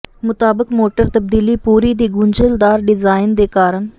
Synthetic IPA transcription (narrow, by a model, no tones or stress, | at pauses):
mʊt̪aːbəkmoːʈəɾt̪əb̚d̪iːliːpuːɾiːd̪iːɡʊɲd͡ʒəld̪aːɾɖɪzaːɪnd̪eːkaːɾən